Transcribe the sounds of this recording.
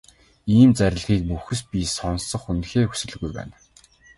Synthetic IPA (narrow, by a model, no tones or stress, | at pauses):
iːmt͡sæɾʲɪ̆ɮɣiːk̚muxɘ̆spʲisɔnsɞ̆χunxeːxu̥sɘ̆ɮ̆ɣujpæ̰ːn